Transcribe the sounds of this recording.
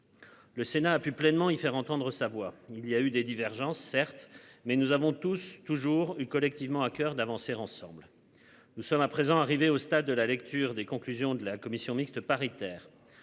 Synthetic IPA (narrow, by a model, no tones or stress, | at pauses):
ləsenaːpyplɛnmɑ̃ifɛʁɑ̃t̪ɑ̃d̪ʁəsavwailiayd̪ed̪ivɛʁʒɑ̃sːɛʁt̪mɛnuzavɔ̃t̪ust̪uʒuʁykɔlɛk̚t̪ivmɑ̃akʲœʁd̪avɑ̃seʁɑ̃sɑ̰̃bl | nusɔmapχezɑ̃aʁiveost̪ad̪ːəlalɛkt̪yʁd̪ekɔ̃klyzjɔ̃d̪əlakɔmisjɔ̃mikst̪əpaʁit̪ɛːʁ